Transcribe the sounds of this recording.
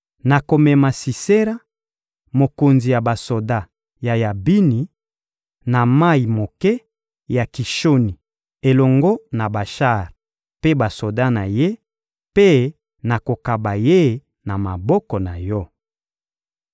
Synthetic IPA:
na˨ko˨mɛ˨ma˨si˨se˦ɾa˦ | mo˨ko˨nzi˨ja˨ba˨so˨da˦ | ja˨ja˨bi˦ni˨ | na˨ma˦˨i˨mo˨kɛ˦ | ja˨ki˨ʃo˦ni˨ | e˨lɔ˨ŋɡɔ˦na˨ba˨ʃa˦˨ʁ | pe˦ba˨so˨da˦na˨je˦ | pe˦ | na˨ko˨ka˨ba˨je˦ | na˨ma˨bɔ˦kɔ˨na˨jɔ˦

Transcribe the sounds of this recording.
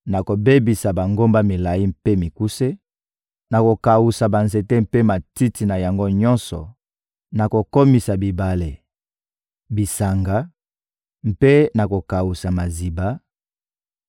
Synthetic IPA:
na˨ko˨be˦bi˨sa˨ba˨ŋɡo˦mba˦mi˨la˨ji˦m̩pe˦mi˨ku˦se˦ | na˨ko˨ka˨wu˨sa˨ba˨nze˨te˦m˦pe˦ma˨ti˦ti˨na˨ja˨ŋɡo˦ɲɔ̃˦nsɔ̰˨ | na˨ko˨ko˦mi˨sa˨bi˨ba˨le˨ | bi˨sa˨ŋɡa˦ | m̩˦pe˦na˨ko˨ka˨wu˨sa˨ma˨zi˨ba˦

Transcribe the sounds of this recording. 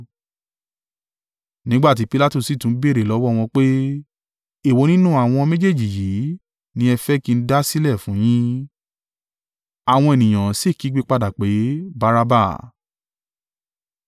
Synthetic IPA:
nĩ˨˦ɡ͡ba˦˨t̬i˨˦pi˦la˦tu˦˨si˨˦˨tũ˨˦be˦ɾe˨lɔ˨˦wɔ˦˨w̃ɔ̃˧k͡pe˦ | e˦˨wo˨˧˦nĩ˦nũ˦a˨w̃ɔ̃˧mẽ˦d͡ʒe˦˨d͡ʒi˨ji˨˦ | nĩ˦ɛ˧fɛ˦ki˧n̩˦da˦si˦lɛ˦˨fũ˨˦j̃ĩ˦ | a˨w̃ɔ̃˧e˨nĩ˨j̃ã˨se˦˨ki˨˦ɡ͡be˦k͡pa˧da˨k͡pe˨˦ba˧˦ɾa˦ba̰˦˨

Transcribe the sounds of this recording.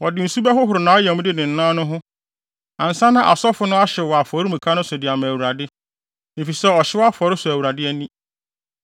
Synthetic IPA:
wɔ˨dɪ˨n̩˨su˦bɛ˦hʊ˦ɦʊ˨ɾʊ˨nãː˨˦ɔ˦jɛ˨mʊ̃˦dɪ˦nɪ̃˨n̩˨nã˦nʊ̃˦ɦʊ̃˦ | ã˨n̩˨sã˦nã˦ʔa˨sɔ˦fʊ˦nʊ̃˦a˦ɕɛ˨wɔ˨a˨fɔ˨˦ɾi˦mũ˨kʰa˦nʊ̃˦sʊ˨dɪ˨a˨mã˨æ˨wu˨ɾa˨dɪ˦ | nɪ̃˨fi˨sɛ˦ɔ˨ɕɪ˦wɔ˦a˦fɔ˨ɾɪ˦sʊ˨æ˨wu˨ɾa˨dɪ˦ɛ˦nĩ˦

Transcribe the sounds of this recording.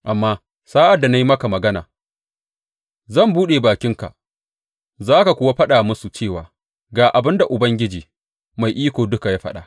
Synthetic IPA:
ʔa˨mːaː˦ | saː˦ʔa˨dːa˨na˦ji˦mɐ˦ka˨mɐ˨ɡɐ˦na̰ː˨ | zɐ˦˨mbuː˦ɗeː˨baː˨kʲɪ˦ŋka̰˨ | zaː˦ka˨kʷʊː˦wa˦ɸɐ˦ɗaː˨mʊ˦su˨t͡ʃeː˦˨waː˨ | ɡaː˨ʔa˨bɪ˦nda˨ʔʊ˨bɐ˦ŋɡʲɪ˦d͡ʒiː˨ | ma˨jʔiː˦kʷoː˨dʊ˦ka˨jaː˦ɸɐ˦ɗa̰ː˨

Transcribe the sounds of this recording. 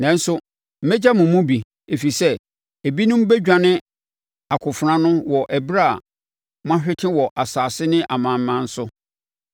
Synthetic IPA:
nɛ̃˨n̩˦sʊ˦ | m̩˨˦mɛ˦d͡ʑa˦mʊ̃˨mʊ̃˦bi˨ | e˨fi˨sɛ˦ | e˨bi˦nʊ̃˦m̩˦be˦d͡ʑᶣã˨nɪ̃˦ | a˨kʰʊ˨fʊ˨ɾã˦nʊ̃˦wɔ˨ʔæ˨bɾa˦˨ | m˦ã˦ɕᶣɪ˦tʰɪ̃˦wɔ˨ʔa˨saː˨sɪ˦nɪ̃˦ʔa˨mã˨m̩˦mã˦n̩˦sʊ˦

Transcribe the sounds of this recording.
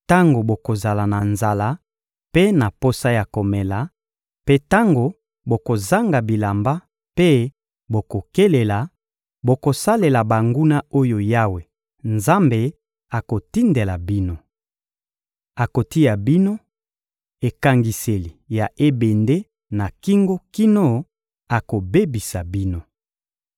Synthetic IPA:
ta˦ŋɡo˨bo˨ko˨za˨la˨na˨nza˨la˦ | pe˦na˨po˦sa˦ja˨ko˨me˨la˨ | pe˦ta˦ŋɡo˨ | bo˨ko˨za˦ŋɡa˨bi˨la˨mba˦ | pe˦ | bo˨ko˨ke˦le˨la˨ | bo˨ko˨sa˦le˨la˨ba˨ŋɡu˦na˦o˦jo˨ja˦we˨ | nza˦mbe˨ | a˨ko˨ti˦nde˨la˨bi˦no˦ | a˨ko˨ti˦ja˨bi˦no˦ | e˨ka˨ŋɡi˨se˨li˨ja˨ʔe˦be˨nde˦ | na˨ki˦ŋɡo˦ki˦no˦ | a˨ko˨be˦bi˨sa˨bi˦no˦

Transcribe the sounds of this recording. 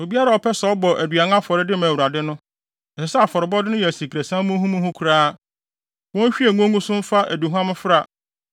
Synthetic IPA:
o˨bi˦a˦ɾa˨ɔ˨pʰɛ˦sɛ˨ɔ˦bɔ˨ʔæ˨dɥa˨ŋã˦fɔ˨ɾɪ˦dɪ˦mæ̃˨wu˨ɾa˨dɪ˦nʊ̃˦ | ɛ˨sɪ˨sɛ˦a˨fɔ˨ɾɪ˨bɔ˦dɪ˦nʊ̃˦jɛ˨si˨kʰɾæ˨sã˦mʊ̃˦ɦũ˦mũ˦hʊ̃˦kʰu˨ɾaː˦ | wɔ̃˦n˦ɕᶣi˦e˨ŋõ˦ŋũ˦sʊ̃˦m̩˦fa˦ʔæ˨du˨ɦu˦ã˦mʊ̃˦fɪ˦ɾa˨

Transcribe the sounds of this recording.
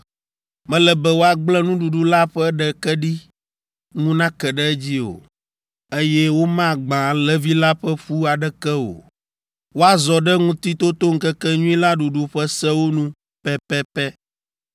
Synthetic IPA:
mɛ̃˦lɛ˨bɛ˦wo˦a˨ɡ͡blɛ˦nũ˦ɖu˨ɖu˦la˦ɸɛ˦ɖɛ˨kɛ˦ɖi˦ | ŋũ˦nã˦kɛ˨ɖɛ˦ɛ˦d͡ʑi˦o̰˨ | e˦jɛ˦wo˦mã˦˨ɡ͡bã˨lɛ˨vi˦la˦ɸɛ˦ɸu˦a˨ɖɛ˦kɛ˦o̰˨ | wo˦a˨zɔ˨ɖɛ˦ŋũ˦t̪i˦t̪o˦t̪o˦ŋ̩˦kɛ˦kɛ˦ɲũ˦ĩ˦la˦ɖu˨ɖu˨ɸɛ˦sɛ˦wo˦nũ˦ | pɛ˦pɛ˦pɛ˦

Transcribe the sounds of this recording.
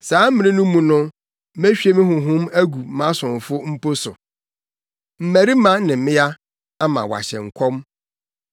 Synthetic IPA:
saː˨˦m̩˦mɪ̃˨nɪ̃˦nʊ̃˦mũ˨nʊ̃˦ | mæ˦ɕᶣi˦e˦mɪ̃˦ɦʊ̃˨ɦʊ̃˦mæ˦ɡu˨˦mã˦sʊ̃˨n˨fʊ˦m̩˦po˦sʊ̰˨ | m̩˨mæ˨ɾi˦mã˦nɪ̃˨mɪ̃˦ja˦ | a˦mã̰˨wa̰˨ɕɛ̰˨ŋ̩˨kʰɔ˦m

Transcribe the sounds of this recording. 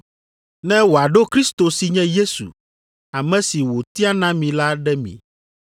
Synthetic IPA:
nɛ̃˦wo˨a˨ɖo˦kɾi˦st̪o˨si˨ɲɛ̃˦je˦sṵ˨ | a˨mɛ̃˦si˨wo˨t̪i˦a˦nã˦mĩ˨la˦ɖɛ˦mḭ̃˨

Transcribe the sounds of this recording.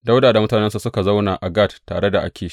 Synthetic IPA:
da˦wdaː˨da˨mʊ˦taː˨nɛ˦nsu˨sʊ˦ka˨za˦wna˨ʔʔa˨ɡa˦˨ttːa̰ː˨ɽe˦da˨ʔa̰˦kʲeː˨ʃi̥˦ʔ

